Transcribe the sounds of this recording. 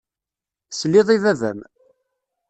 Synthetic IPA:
slːɪðˤiðævæ̰m

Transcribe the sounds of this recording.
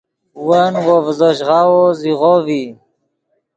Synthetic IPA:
wanwovzoʃʁawoziʁovi

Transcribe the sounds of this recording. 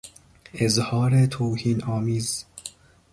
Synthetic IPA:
ʔezhɒːɾet̪ʰowhiːnʔɒːmiːz

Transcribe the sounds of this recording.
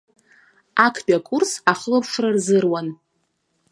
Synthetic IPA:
akʰbʲʼakʼursaχlɨpʰʂrarzɨrwan

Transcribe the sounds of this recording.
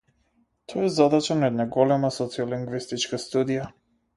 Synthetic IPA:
t̪ʰɔjɛzad̪at͡ʃanaɛd̪naɡɔlɛmasɔt̪siɔliŋɡvist̪it͡ʃkast̪ud̪ija

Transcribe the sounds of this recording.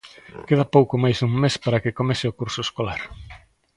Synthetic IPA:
keð̞ɐpowkʊmajzuŋmespaɾakɪkomesɪʊkuɾsoeskolaɾ

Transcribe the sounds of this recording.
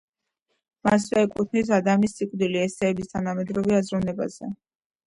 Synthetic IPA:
mas̬vɛɛkʼut̪ʰnis̬ad̪amisːikʼvd̪iliɛsɛːbist̪ʰanamɛd̪ɾɔvɛazɾunɛba̰z̥ɛ

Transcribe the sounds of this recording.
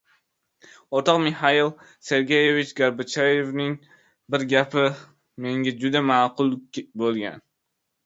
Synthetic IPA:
ot̪ɒqmɪhailˠ | se̞ɾɡʲejevɪt͡ʃɡaɾbʊt͡ʃʰajevnɪŋ | bɪɾɡʲapʰɪ | me̞ŋɡʲad͡ʒʊd̪amaːqʰʊlˠʲbolˠɡʲa̰n

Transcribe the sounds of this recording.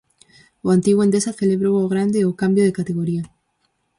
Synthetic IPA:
oant̪iɣwend̪esaθeleβɾowoɣ̞ɾand̪eokambjoðekat̪eɣ̞oɾia

